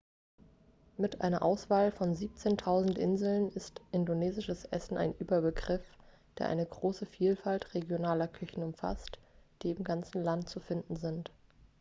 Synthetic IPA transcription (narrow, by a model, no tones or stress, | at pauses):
mɪtʔa̰ɪnɐʔaʊsv̥aːlfɔnziːp̚t͡seːntʰaʊzn̩tʔɪnzl̩nɪstʔɪndoneːzɪʃəsʔɛ̰sn̩ʔa̰ɪnʔyːbɐbəɡʁɪf | d̥eːɐʔa̰ɪnəɡʁoːsəfiːlfaltʁeɡjonaːlɐkʰʏçn̩ʊmfa̰std̥iːɪmɡant͡sn̩lantt͡sufɪndn̩zɪnt